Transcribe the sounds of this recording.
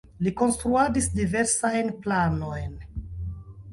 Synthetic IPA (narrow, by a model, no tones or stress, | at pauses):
liko̞nst̪ɾuadisdive̞ɾsajnplano̞jn